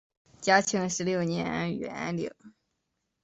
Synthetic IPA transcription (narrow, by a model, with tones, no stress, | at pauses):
t͡ɕja˥t͡ɕʰjɑ˧˥ŋʂɻ̩˧˥ljo˥˩ʊnjɛ˧˥na̰˥y̰˨˩a̰˥nljo̰˨˩˦